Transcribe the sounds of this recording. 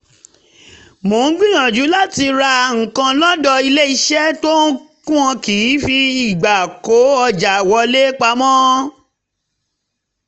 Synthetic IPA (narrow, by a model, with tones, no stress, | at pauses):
mo˨˦n̩˦ɡ͡bĩ˦jã˨d͡ʒu˨˦la˦ti˧ɾa˧ŋ̩˨kã˧lɔ˦dɔ˧i˧le˦i˧ʃɛ˦to˦kũ˦ɔ̃˧ki˨˦fi˧i˨ɡ͡ba˨ko˨˦ɔ˧d͡ʒa˨wɔ˧le˦k͡pa˧mɔ̃˦